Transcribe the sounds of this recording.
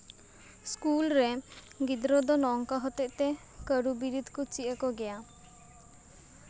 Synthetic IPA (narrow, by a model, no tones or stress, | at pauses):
skulɾe | ɡid̪ɾod̪ɔnɔŋkaɦɔt̪eʔt̪e | kəɾubiɾid̪ʱkut͡ʃiʔəkɔɡɛa